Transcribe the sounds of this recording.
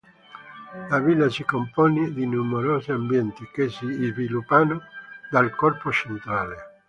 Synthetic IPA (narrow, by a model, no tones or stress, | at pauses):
lavilːasikompoːned̪inumeɾoːziambjɛnt̪ikesizvilupːanod̪alkɔrpot͡ʃent̪ɾaːle